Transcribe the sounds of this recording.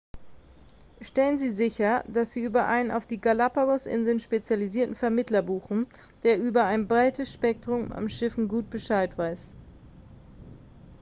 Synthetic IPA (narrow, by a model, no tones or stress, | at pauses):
ʃtɛlənziːzɪçɐd̥asz̥iːʔyːbɐʔa̰ɪnəna̰ʊfd̥iːɡalapaʁɔsʔɪ̰nzl̩nʃpet͡sjaliziːɐtn̩fɛɐmɪtlɐbuːχn̩ | d̥eːɐʔyːbɐaɪnbʁaɪtəsʃpɛk̚tʁ̥ʊma̰mʃɪfn̩ɡuːt̚b̥əʃaɪtv̥aɪs